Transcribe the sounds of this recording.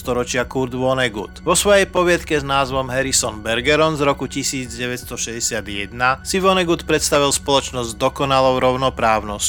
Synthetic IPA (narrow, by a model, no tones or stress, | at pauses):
st̪ɔɾɔt͡ʃɪakuɾd̪ʋɔnɛɡṵt̪ʋɔsʋɔjɛjpɔʋɪat̪kɛznaːzʋɔmɦɛɾisɔnbɛɾɡɛɾɔnzɾɔkucisiːd͡zɟɛʋɛt̪st̪ɔʃɛɟɛsɪad̪jɛd̪nasiʋɔnɛɡut̪pɾɛt̪st̪aʋilspɔlɔt͡ʃnɔzɟd̪ɔkɔnalɔʊɾɔʊnɔpɾaːʊnɔsc